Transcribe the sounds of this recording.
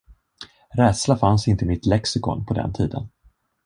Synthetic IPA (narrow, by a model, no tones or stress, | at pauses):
ɾɛːd̪slafansɪnt̪əmɪt̪lɛksɪkɔ̰npʰɔd̪ɛ̰nt̪ʰḭːd̪ə̰n